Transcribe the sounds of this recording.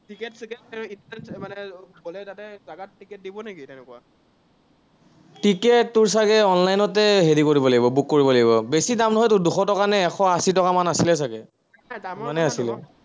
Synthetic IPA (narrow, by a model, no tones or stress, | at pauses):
tikɛtsikɛtɛintnɛnsmanɛbɔlɛtatɛzaɡattːikɛt̚dibɔnaɡitɛnɛkuwa | tikɛtːʊɹs̬aɡɛɔnlajnɔtɛɦedikoɹibɔlaɡibɔbukːoɹibɔlaɡibɔbesidamnɔɦɔjtʊɹduxɔtɔkanɛːxʰɔasitɔkamanasilɛs̬aɡɛ | adammanɛasilɛ̰